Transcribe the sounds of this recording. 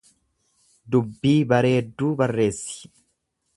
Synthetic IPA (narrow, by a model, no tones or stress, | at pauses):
d̪ʊbːiːbɐɾeːd̪ːuːbɐrːe̞ːsːɪ̥